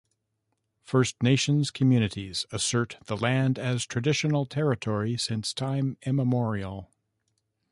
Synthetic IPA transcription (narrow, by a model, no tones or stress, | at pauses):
fɜ˞stneɪʃɨ̃nz̥kʰɨmjʉnɨɾiz̥ɨsɜ˞t̪̚ðəlæ̃ndɨz̥tʰɹ̥ɨdɪʃɨnl̩ˠtʰɛɹɨtʰɔɹisɪ̃nstʰãɪ̃mɪ̃məmɔɹil̩ˠ